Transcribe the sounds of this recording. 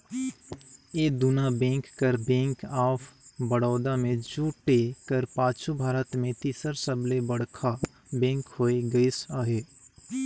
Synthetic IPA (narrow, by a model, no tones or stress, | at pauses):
eːd̪ʊnabẽːŋkːəɾbẽːŋkaːpʰbəɽɔːd̪amẽd͡ʒuːʈekəɾpaːt͡ʃʰubʱaːɾət̪mẽt̪iːsəɾsəblebəɽkʰa | bẽːŋkɦoːeɡəɪsaːɦeː